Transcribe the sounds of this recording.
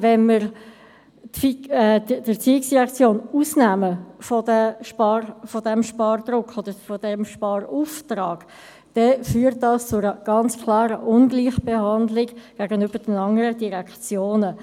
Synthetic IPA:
vɛnməɾ | tfiɛ̥d̥ət͡siːɪksd̥iʁɛkt͡sjoːnuːsnæməfɔdəʃpɑrfɔdɛmʃpɑːrd̪̥ɾʊkχod̥əɾfɔd̥ɛmʃpɑːruftrɑːɡ̥ | d̥ɛfyːɾt̚ːdɑst͡sʊɾəɡ̥ɑnt͡skʰlɑːɾəʔʊnɡliːχb̥ehɑndlɪɡɡ̥æɡənʏb̥əd̥ənɑŋəɾəd̥iɾɛkʰt͡sjoːnə

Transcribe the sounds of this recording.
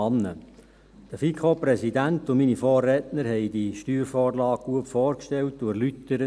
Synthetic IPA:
ɑnːə | d̥əfikʰχopɾɛsidæntʊminifɔːrːɛːtnəɾɦɛjdiʃtyːɾfɔːɾlɑːɡ̥̚ɡ̥uətfɔːɾkʃtɛltdʊɾlytːəɾə

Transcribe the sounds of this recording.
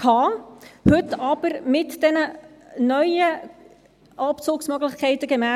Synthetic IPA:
kʰɑːhɵtɑb̥əɾmɪtd̥ɛnə | nœʏə | ʔɑpt͡sʊːksmœɡlɪxkʰɛɪtəɡ̥ɛmæ

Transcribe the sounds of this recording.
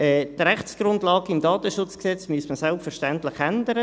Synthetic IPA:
ɛt̪ɾɛχsɡ̥rʊndlɑːɡəimdɑːt̪əʃʊt͡sksɛt͡smyəstməsɛlˠpfərʃtɛntlɪχɛnd̪əɾə

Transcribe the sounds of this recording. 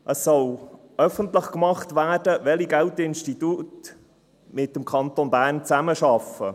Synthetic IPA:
ʔəsːɔl | œfəntləχkmɑχtʋæːrdəʋɛliɡæltɪnʃtitut | mɪt̚ːəmkʰχɑnt̪onbæːɾnt͡sæməʃɑfə̰

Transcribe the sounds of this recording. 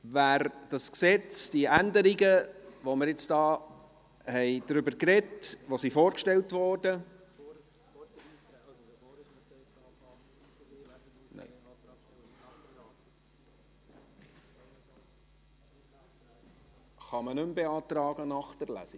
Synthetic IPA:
ʋæːɾd̥ɑsksɛt͡sd̥iʔændəɾiɡəʋoməɾjɪt͡stɑː | hɛɪd̥̪ɾʏbəɾkɾɛtʋosifoːɾkʃtɛltʋɔːɾd̥ə | nɛ̰ | χɑmənʉmbɛɑːt̪ɾɑːɡ̥ənɑχd̥əɾlæ̰si

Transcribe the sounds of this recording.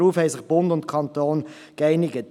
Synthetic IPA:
uːfhɛɪsɪχb̥ʊndʊntkʰɑntoːn | kɛɪnɪɡət

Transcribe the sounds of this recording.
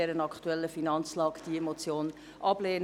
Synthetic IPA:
ɛɾənɑkχtuɛlːəfinɑnt͡slɑːkd̥iemot͡sjoːn | ʔɑbleːn

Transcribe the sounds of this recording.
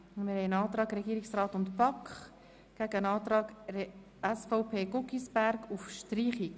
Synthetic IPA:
mɪɾhɛɪənɑːt̪ɾɑːɡɾɛɡiːɾɪksrɑːtʊntpɑkχ | ɡ̥æɡəənɑːtɾɑːɡ | æsfoʊpʰeːɡʊkisbæɾɡufʃtriːχik

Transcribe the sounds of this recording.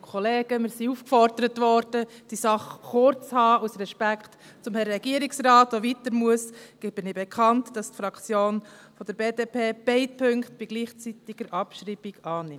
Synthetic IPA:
kʰɔleːɡ̥əmɪɾsiufkfɔɾd̥əɾətʋɔɾd̥əd̥isɑχχʊɾt͡shɑːusrɛʃpækχt | t͡sʊmhɛɾːɛɡ̥iəɾiksrɑːtoʋitəɾmuəsɡ̥ɪb̥ɪnɪbɛkʰɑntd̥ɑstfɾɑkʰt͡sjoːnfɔd̥̪əɾb̥eːdeːpʰeːb̥ɛɪt̚pʰøŋktb̥iɡ̥liːχt͡sitiɡ̥əɾʔɑpʃriːbiɡɑːnɪm

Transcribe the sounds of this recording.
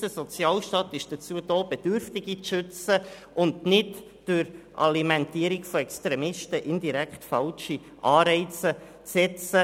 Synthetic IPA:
əsɔt͡sjɑːlʃtɑːt̪ɪʃd̥ət͡suəd̥oːb̥ɛd̥ʏɾftɪɡ̥it͡sʃʏt͡sə | ʔʊndnɪt | d̥ʊɾʔɑ̰limɛntiːəɾikfoɛkst̪ɾɛmɪʃtəʔɪndiɾɛkχtfɑlʃi | ʔɑːɾɛɪt͡sə | t͡sɛt͡sə

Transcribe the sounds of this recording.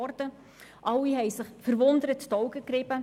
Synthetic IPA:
ɾtə | ʔɑlːiɦɛjsɪχfəɾʋʊnd̪əɾəttɔwɡəkɾɪbə

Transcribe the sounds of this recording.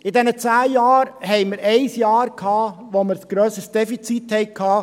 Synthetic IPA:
ɪdɛnət͡sæːjɑːɾhɛɪməɾɛɪsjɑːɾkʰhɑːʋoməɾsɡ̥ɾøːsəsd̥ɛfit͡sit̪hɛɪkʰhɑː

